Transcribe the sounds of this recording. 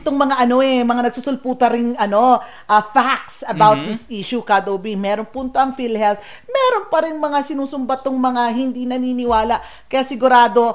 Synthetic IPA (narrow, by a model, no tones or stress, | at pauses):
ɪt̪oŋmɐŋaʔɐno̞ʔɛmɐŋanɐɡ̚susʊlpuːt̪ɐɾɪŋʔɐno̞ | ʔɐfak̚t̪sɐbaw̪̚d̪ɪsʔiʃukad̪obimɛːɾoŋpunt̪oɐŋfilhɛlt̪ | mɛːɾo̞npɐɾɪnmɐŋasɪnuːsʊmbɐt̪ʊŋmɐŋaɦɪnd̪inɐniːnɪwaːlaʔ | kɐjasɪɡʊɾaːd̪o̞